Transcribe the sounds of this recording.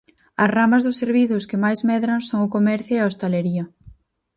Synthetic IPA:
ɐsramɐzðʊseɾβiθʊskɪmajzmɛðɾɐŋsoŋʊkomɛɾθjʊeɐost̪aleɾiɐ

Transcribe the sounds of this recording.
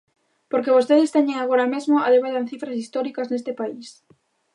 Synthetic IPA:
poɾkeβ̞ost̪eðɪst̪eɲẽŋaɣoɾamezmoaðeβaðanθifɾasist̪ɔɾikɐznest̪ɪpais

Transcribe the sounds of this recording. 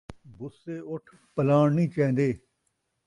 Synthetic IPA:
bʊseːʊʈʰ | pəlaːɳnĩːt͡ʃɛ̃ːn̆d̪eː

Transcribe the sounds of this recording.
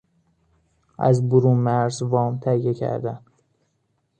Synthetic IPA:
æ̰zbʊɾuːmæɾzvɒːmt̪ʰæjecʰæ̰ɾd̪æn

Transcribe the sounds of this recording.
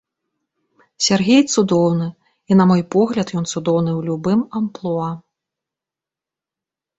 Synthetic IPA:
sʲarɣʲejt̪sud̪ɔwnɨ | inɐmɔjpɔɣlʲɐt̪jɔnt̪sud̪ɔwnɨwlʲubɨmɐmplˠɔɐ

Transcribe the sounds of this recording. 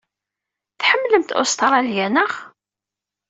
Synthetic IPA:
θħəmːləmt̪o̰st̪ɾˤɑljænəχ

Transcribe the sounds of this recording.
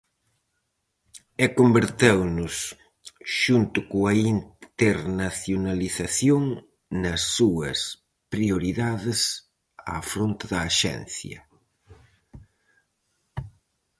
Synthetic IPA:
ɛkombeɾt̪ewnʊs | ʃunt̪ʊkoɐint̪eɾnaθjonaliθɐθjoŋ | nɐsːuɐs | pɾioɾiðaðɪs | a̰fɾont̪ɪðɐːʃɛ̰n̟θjɐ̰

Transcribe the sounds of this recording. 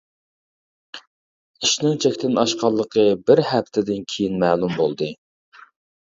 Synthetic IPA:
iʃnɪŋt͡ʃʰɛkʲt̪ɪnɑʃqɑlˠːəqʰəbɪɾhæpt̪ʰɪd̪ɪnkʲʰijinmæːlˠumbolˠd̪ɨ

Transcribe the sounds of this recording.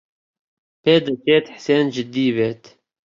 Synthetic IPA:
peːd̪ɐt͡ʃeːt̪ħseːnd͡ʒɪd̪ːiːveːt̪

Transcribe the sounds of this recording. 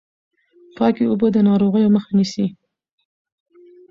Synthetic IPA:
pɑkiʊbəd̪ənɑɾoɣəjoməxanisi

